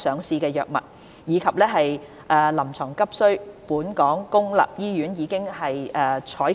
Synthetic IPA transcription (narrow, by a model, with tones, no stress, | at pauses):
sœː˨˧ŋsiː˧kɛː˧jœː˨k̚mɐ̰˨˩t̚ | jiː˨˧kʰɐ˨p̚lɛː˥ɦɐ˨j | ʔɛː˨˧lɐ˨˩mt͡sʰɔː˨˩ŋkɐ˥p̚sɵ˥ɥpuː˨˥nkɔː˨˥ŋkʊ˥ŋlɐ̰ː˨˩p̚jiː˥jyː˨˥njiː˨˧kɪ˥ŋhɐ˨jʔɛː˨˧t͡ʃʰɔː˨˥j